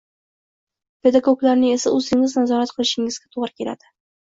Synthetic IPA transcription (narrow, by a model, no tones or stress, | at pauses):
pʰe̞d̪aɡoklaɾnɪŋe̞saɵzɪŋɪznazɒɾat̪qʰɨlˠɪʃɪŋɪzɡʲat̪ʰoʁɾɪkʲʰe̞la̰d̪̥ɪ